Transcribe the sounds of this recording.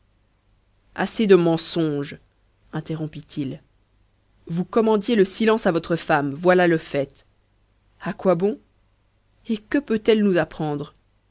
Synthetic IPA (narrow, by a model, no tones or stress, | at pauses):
a̰sed̪əmɑ̃sɔ̃ʒ | ɛ̃t̪eʁɔ̃pit̪ʰil | vukɔmɑ̃d̪jeləsilɑ̃savɔt̪χəfamvwalaləfɛt̪ | akwabɔ̃ | ekəpøt̪ɛlnuzapχɑ̃d̪ʁ